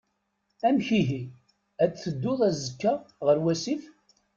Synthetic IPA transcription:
æmçiɦi | æt͡sθəd̪ːʊðˤæzəkːaʁəɾwæsif

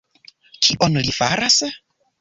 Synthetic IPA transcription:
t͡ʃiʔonulifaɾase

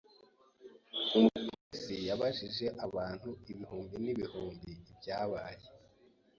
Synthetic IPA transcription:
umutisijaβaʒiʒe̞ʔaβaːn̥huiβihuːmbiniβihuːmbiːbɟaːβaːje

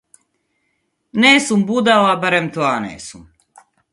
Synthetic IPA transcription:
neːsumbud̪alabaɾemt̪oanḛːsum

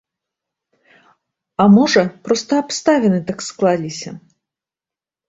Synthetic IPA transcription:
ɐmɔʐɐpɾɔst̪ɐɐpst̪avʲɛnɨt̪aksklˠalʲisʲɐ

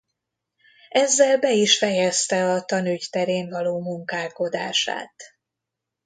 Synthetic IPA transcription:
ɛzːɛlbɛiʃfɛjɛst̪ɛɒt̪ɒnyct̪ɛɾeːɱvɒloːmuŋkaːlko̞d̪aːʃa̰ːt̪

